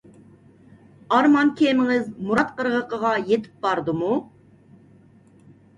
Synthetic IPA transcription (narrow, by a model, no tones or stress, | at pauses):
ɑɾmɑnkʲʰemŋɪzmuɾɑt̪̚qəɾʁəqəʁɑjet̪ʰɪ̥p̚bɑɾd̪ɨmu